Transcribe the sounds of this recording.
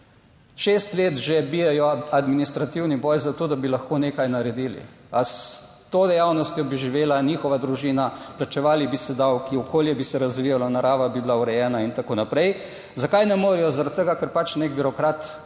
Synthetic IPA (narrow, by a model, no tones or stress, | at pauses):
ʃeːst̪leːt̪ʒebiːjɛjɔad̪minist̪ɾat̪iwnibɔjzat̪oːd̪abilaxkoːneːkajnaɾɛd̪iːlḭ | as | t̪oːd̪ɛjawnɔst̪jɔbiʒiʋeːlaniːxɔʋad̪ɾuʒiːnaplat͡ʃɛʋaːlibisɛd̪awkiɔkʰoːljɛbisɛɾazʋijalɔnaɾaːʋabiblauɾɛjɛːnaint̪akoːnapɾɛj | zakajnɛmoːɾijɔzaɾat̪̚t̪əɡakəɾpat͡ʃnek̚biɾɔkɾaːt̪